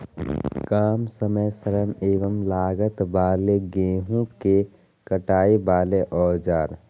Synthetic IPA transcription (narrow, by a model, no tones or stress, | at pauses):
kaːmsəməjsəɾəneːʋəmlaːɡət̪baːleɡẽːɦũke | kəʈaːibaːleʔɔːd͡ʒaːɾ